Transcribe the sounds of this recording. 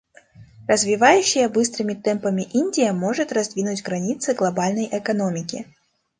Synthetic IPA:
rəzvʲɪvajʉɕːɪjəbɨst̪ɾɨmʲɪt̪ɛmpəmʲɪʔinʲdʲɪjəmo̞ʐɨt̪rɐzd̪vʲinʊtʲɡɾɐnʲit̪sɨɡlˠɐbalʲnəjʔɛkɐno̞mʲɪkʲɪ̰

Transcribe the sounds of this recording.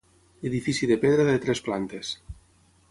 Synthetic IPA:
eðifiθiðepeðɾaðet̪ɾesplant̪es

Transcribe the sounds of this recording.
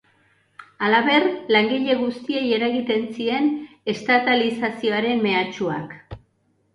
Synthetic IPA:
alaβe̞rlaŋɡiʎe̞ɣ̞ust̪ie̞je̞ɾaɣit̪e̞nsie̞n | e̞st̪at̪alisasio̞aɾe̞nme̞at͡ʃua̰k

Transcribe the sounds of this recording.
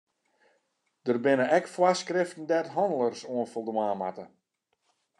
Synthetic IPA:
d̥ərbɪnəɛkfwaskrɪftn̩dɛtɦɔndəlˠərsoənfolˠdəmaːma̰tə

